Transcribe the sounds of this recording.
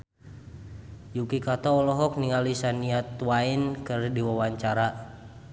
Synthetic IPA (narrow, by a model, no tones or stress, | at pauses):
jukikat̪ɔːlɔɦɔk̚niŋalisaniat̪wainkɨrdiwawaɲt͡ʃaɾa